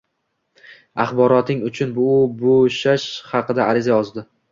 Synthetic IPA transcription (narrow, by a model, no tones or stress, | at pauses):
aχbɒɾɒt̪ɪŋʊt͡ʃʰʊnbʊbʊʃaʃhɑqɨd̪aaɾɪzajɒzd̪ɪ